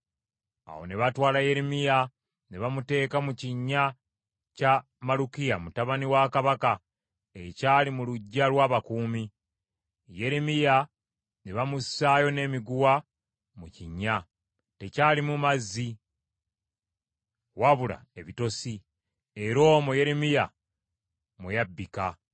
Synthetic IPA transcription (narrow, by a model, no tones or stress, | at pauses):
a̰wo̞̰neβatwaːlaje̞ɾimija | neβamute̞ːkamuciɲːa | ca | malukijamutaβaniwakaβaka | ecaːlimuluɟːalwaːβakuːmi | je̞ɾimija | neβamussaːjo̞ne̞ːmiɡuwa | muciɲːa | te̞caːlimumazːi | waβula̰e̞βito̞si | e̞ɾo̞ːmoje̞ɾemija | mujabːika